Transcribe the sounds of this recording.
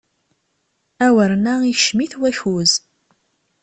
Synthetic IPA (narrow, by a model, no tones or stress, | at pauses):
æwəɾnaiʃmiθwæçuz